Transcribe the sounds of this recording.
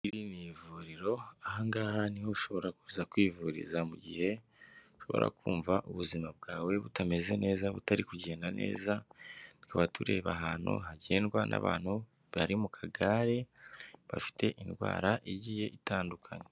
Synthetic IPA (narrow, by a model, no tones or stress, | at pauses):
iɾinivuɾiɾo̞ahaŋɡaːhanihoʃo̞βo̞ɾakuːzakwiːvuɾḭzamuɟḭhe̞ | uʃo̞βo̞̰ɾʔa̰kuːɱvaʔuβuzimab̚ɡaːwe̞βutame̞ze̞ne̞ːzaβutaɾikuɟe̞ːndane̞̰ːzatu̥kʰaβatʰuɾe̞βaɦaːn̥hṵɦaɟe̞ːnɡwanʔa̰βa̰ːnhu | βaɾimukʰaɡaɾe̞βa̰fi̥te̞ʔinɡwa̰ːɾaʔiɟiːje̞ʔitaːndukʰaɲe